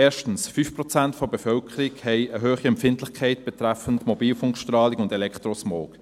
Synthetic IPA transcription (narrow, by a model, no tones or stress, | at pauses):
ɛːɐʃtn̩sfyːfpʁɔt͡sæntfobɛfœlkʰəɾikhɛɪəɦøːχiɛmfɪntlɪχkʰaɪtb̥ɛtʁæfəntmobiːlfʊŋkʃtrɑːlikʊndɛlɛktʁosmoːk